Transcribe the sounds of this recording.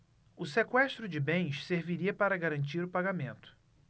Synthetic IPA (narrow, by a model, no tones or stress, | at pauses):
ʊsekwɛʃt̪ɾʊd͡ʒɪbẽj̃ʃseɾviɾiɐpaɾɐɡaɾɐ̃nt͡ʃiɾʊpaɡamẽnt̪ʊ̥